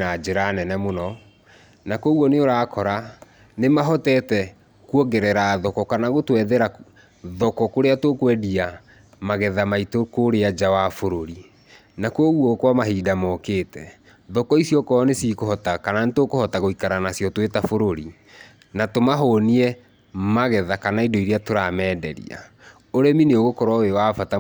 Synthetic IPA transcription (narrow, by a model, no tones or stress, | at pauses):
ad͡ʑeɾanɛnɛmonɔ | nakɔɣwɔneoɾaːkʰɔɾa | nemaɦɔtɛtɛ | kwɔɡɛɾɛɾaːðɔkɔkanaɣotwɛðɛɾa | ðɔkɔkoɾeatokwɛdia | maɣɛðamaitokoɾead͡ʒawafoɾoɾi | nakoɣwɔkwamaɦidamɔkeːtɛ | ðɔkɔisjɔkɔnesikohɔtakananetokohɔtaɣoikaɾanasjɔtwetafoɾoɾi | natomaɦoniɛ | maɣɛðakanaidoiɾeatoɾamɛːdɛɾḭa̰ | oɾɛmineoɣokɔɾwawewafata